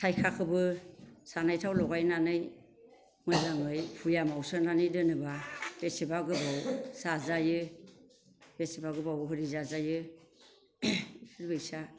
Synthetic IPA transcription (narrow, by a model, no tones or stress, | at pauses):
tʰajkʰakʰɯbɯsanajtʰawlɔɡajnanɯj | mɯjzaŋɯjpʰujamawsɯnanɯjdɯnɯbab̥esebaɡɯbawsazajɯ | b̥esibaɡɯbawɦɯɾizazajɯ | pʰɯɾbɯjsa